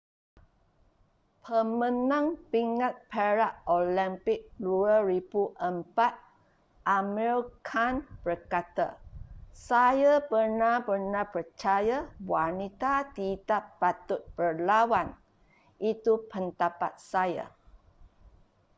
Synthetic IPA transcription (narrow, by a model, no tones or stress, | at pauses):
pʰəmə̃nãŋpiŋat̪̚pʰeɾaʔolimpɪk̚luəɾibuʔəmpat̪̚ | ʔamɛɾkʰanb̥ərkat̪a̰sajapərnapərnapərt͡ʃajawanit̪at̪id̪apːat̪ʊt̪̚b̥ərlawan | ʔit̪upənt̪apa̰t̪̚saja̰